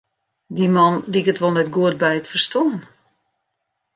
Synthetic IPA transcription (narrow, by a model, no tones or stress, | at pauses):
dimɔnlikətʋɔlˠnɛtɡuət̚bɛjətfərstɔn